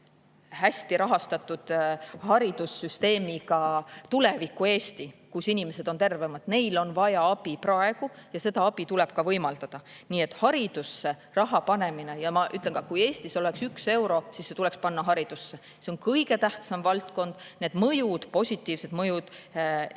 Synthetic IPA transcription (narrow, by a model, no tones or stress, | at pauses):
hæsʲt̪iɾɑɦɑst̪ɑt̪ːud̪̥hɑɾid̪̥usːyst̪e̞ːmikɑt̪ule̞vikːˑue̞ːst̪ikusinime̞se̞d̪̥o̞nt̪e̞rve̞mɑd̪̥ne̞jlo̞nvɑjɑɑb̥iprɑe̞ɡ̥ujɑse̞d̪ɑɑb̥it̪ule̞b̥̚kɑvɤjmɑld̪̥ɑd̪̥ɑniːe̞t̪ːˑhɑɾid̪̥usːe̞ | rɑɦɑpɑne̞mine̞jɑmɑʔy̰t̪ˑleŋkɑkuje̞ːsʲt̪iso̞le̞ksykse̞wɾo̞sisːe̞t̪ule̞kspɑnːɑɦɑɾid̪̥usːe̞ | se̞o̞nkɤjɡe̞t̪æht̪sɑmvɑlt̪ko̞nd̪̥ne̞ːd̪̥mɤjud̪̥po̞sʲit̪ːˑiːvse̞d̪̥mɤjud̪̥